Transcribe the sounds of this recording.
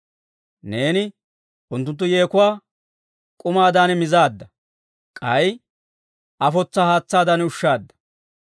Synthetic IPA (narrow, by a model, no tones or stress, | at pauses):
ne̞ːnɪ | ʊnt̪ːʊnt̪̬ːʊje̞ːkʊwaː | kʼʊmaːd̪aːnmɪzaːd̪ːɐ | kʼɐj | ʔɐfɔt͡sːaːhaːt͡sːaːd̪aːnʊʃːaːd̪ːɐ̥